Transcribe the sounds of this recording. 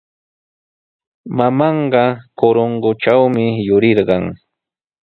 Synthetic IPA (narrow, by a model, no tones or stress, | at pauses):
mamɑɴɢɑkoɾoɴɢʊʈ͡ʂawmɪjʊɾɪɾɢɑŋ